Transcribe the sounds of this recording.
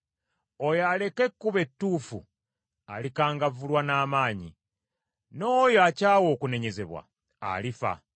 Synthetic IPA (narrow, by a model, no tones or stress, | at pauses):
ojale̞ke̞kːuβe̞tːuːfṵ | a̰likaːŋɡavulwanaːmaːɲḭ | no̞ːjoacaːwo̞ːkune̞ɲe̞ze̞βwa̰ | a̰lifa̰